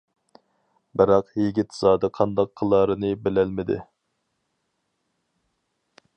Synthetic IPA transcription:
bɪɾɑqjiɡʲit̪z̥ɑːd̪əqʰɑnd̪ɑqʰːəlˠɑɾɨnɨbɪlælmɪd̪ɪ̰

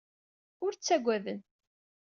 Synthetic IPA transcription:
ʊɾt͡sːæɡʷːæðən

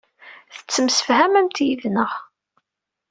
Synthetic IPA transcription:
θə̥t͡sːəmsə̥fhæmæmt̪jiðnəʁ

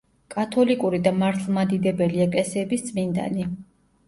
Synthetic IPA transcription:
kʼat̪ʰɔlikʼuɾid̪amaɾt̪ʰlˠmad̪id̪ɛbɛliɛkʼlɛsɛːbisd̪z̥ʼmind̪a̰ni

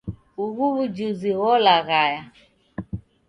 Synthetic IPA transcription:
uɣuβud͡ʒuziɣɔlaɣaja

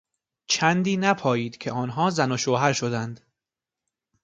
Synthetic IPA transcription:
t͡ʃʰænd̪iːnæpʰɒːjiːd̪̥cʲʰe̞ɒːnɦɒːzænoʃoːɦæɾʃod̪ænd̪

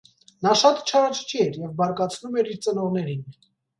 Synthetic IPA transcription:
nɑʃɑt̪t͡ʃʰɑɾɑt͡ʃʰt͡ʃʰiɛɾjɛvbɑɾkɑt͡sʰnumɛɾiɾt͡sənɔʁn̪ɛɾin

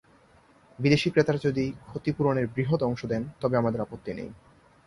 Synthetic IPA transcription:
bid̪eʃikɾet̪aɾad͡ʑod̪ikʰot̪ipuɾoneɾbɾiɦot̪ɔŋʃod̪ɛnt̪ɔbeamad̪eɾapot̪ːinḛj

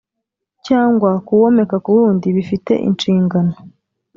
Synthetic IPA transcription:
caːŋɡwakuwo̞me̞kakuβuɾuːndiβifite̞̰ʔḭnt͡ʃiːŋɡano

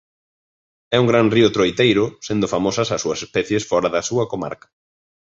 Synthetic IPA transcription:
ɛuŋɡɾanriʊt̪ɾojt̪ejɾʊsend̪ʊfamosɐsasuɐsespɛθjesfɔɾɐðɐsuɐkoma̰ɾkɐ̥

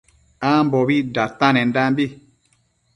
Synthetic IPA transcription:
ambɔbidatanɛndambi

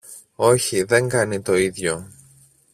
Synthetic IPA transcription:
o̞çiðe̞ŋɡɐnit̪o̞iðʝo̞

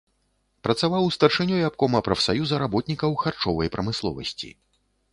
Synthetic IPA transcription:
pɾɐt̪savawst̪ɐrʂɨnʲujap̚kɔmɐpɾɐfsajuzɐɾabɔt̪nʲikɐwxart͡ʂɔvɐjpɾɐmɨslˠɔ̰vɐ̰sʲt͡sʲḭ

